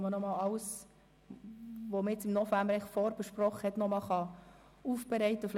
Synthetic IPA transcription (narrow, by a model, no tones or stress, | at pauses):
mənɔmɑlɑws | ʋoməjɛt͡sɪmnɔfæmbəɾɛfɔɾbəʃprɔχəhɛt̪nɔmɑlχɑ | uːfb̥ɛɾɛɪt̪əfl